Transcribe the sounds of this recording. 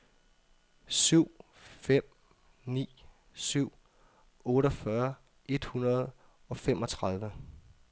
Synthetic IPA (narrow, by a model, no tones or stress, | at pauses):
syʊ̰ | fem̰ | nḭː | syʊ̰ | ɔ̽ːɾɐfɶːɐ | e̝d̥hunɐð̞̩ˠ | ɒ̽femʔɒ̽t͡sʰʁɑ̈ð̞ˠʋə